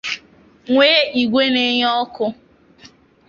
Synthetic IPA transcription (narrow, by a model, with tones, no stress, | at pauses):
ŋʷeː˦i˨ɡʷe˦ne˦ɲ˦ɔ˦kʊ˦